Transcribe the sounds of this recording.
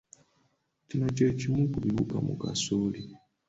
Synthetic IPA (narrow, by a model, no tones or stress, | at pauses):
cinot͡ʃeːcimukuβiβukamṵka̰soli